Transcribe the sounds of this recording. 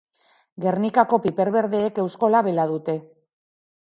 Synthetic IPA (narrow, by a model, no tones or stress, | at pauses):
ɡe̞ɾnikako̞pipe̞ɾβe̞ɾðeːke̞wsko̞laβe̞lað̞ut̪e̞